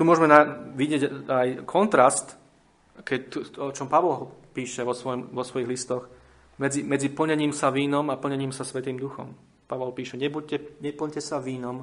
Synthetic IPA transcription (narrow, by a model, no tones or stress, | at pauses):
t̪umʊɔʒmɛnaʋiɟɪɛɟajkʰɔnt̪ɾast̪ | kɛct̪uɔt͡ʃɔmpaʋɔlɦɔpiːʃɛʋɔsʋɔjɔmʋɔsʋɔjiɦlist̪ɔx | mɛd͡zimɛd͡zipl̩ɲɛɲiːmsaʋiːnɔmapl̩ɲɛɲiːmsasʋɛt̪iːmd̪uxɔ̰m | paʋɔlpiːʃɛɲɛbucɛɲɛpl̩ɲcɛsaʋiːnɔm